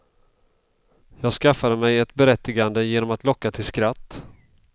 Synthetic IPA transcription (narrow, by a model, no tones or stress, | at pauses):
jɑːɡskafːad̪əmɛjɛt̪bɛɾɛt̪ːɪɡand̪əjeːnɔmat̪lɔkːat̪ʰɪlskɾat̪ː